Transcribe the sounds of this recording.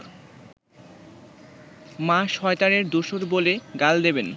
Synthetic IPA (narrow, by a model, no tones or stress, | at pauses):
maʃhɔet̪aɾeɾd̪oʃoɾboleɡald̪eben